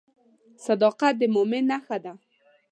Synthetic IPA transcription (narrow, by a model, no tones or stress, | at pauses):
sad̪ɑqat̪̚d̪əmomɪnːaxad̪a